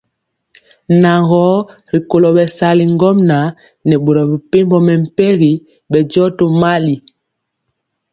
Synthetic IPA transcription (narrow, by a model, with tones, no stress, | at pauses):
na˨ŋɡɔ˦ | ɾi˨ko˨lɔ˨ɓɛ˨sa˨li˨ŋɡɔ˦mna˨ | nɛ˨ɓo˨ɾɔ˨bi˨pe˦mbɔ˨mɛ˨m̩˨pɛ˦ɣi˨ | ɓɛ˨d͡ʒɔ˦to˦ma˦li˨